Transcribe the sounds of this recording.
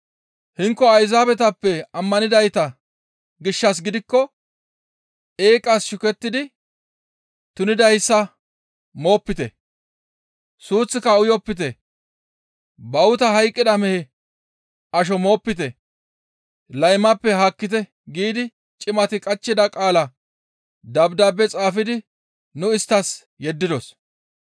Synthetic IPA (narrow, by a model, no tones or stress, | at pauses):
hɪŋkːɔɐjzaːbɛt̪ɐpːɛɐmːɐnɪd̪ɐjt̪ɐ | ɡɪʃːɐs̬ɡɪd̪ɪkːɔ | e̞ːkʼːɐsʃʊkɛt̪ːɪd̪ɪ | t̪ʊnɪd̪ɐjsːɐ | mo̞ːpːɪt̪ɛ̰ | suːt͡sːɪkɐʊjɔpːɪt̪̬ɛ | bɐwʊt̪ɐɦɐjkʼːɪd̪ɐmɛhɛ | ɐʃ̬ɔmo̞ːpːɪt̪̬ɛ | lɐjmɐpːɛɦakːɪt̪̬ɛ | ɡiːd̪ɪ | t͡ʃʼɪmɐt̪ɪkʼɐt͡ʃːɪd̪ɐkʼaːlɐ | d̪ɐbd̪abːɛt͡sʼaːfɪd̪ɪ | nʊɪst̪ːɐs | jɛd̪ːɪd̪ɔs